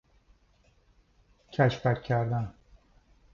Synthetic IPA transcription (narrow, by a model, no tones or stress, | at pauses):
cʰæʃpækʰːæɾd̪æn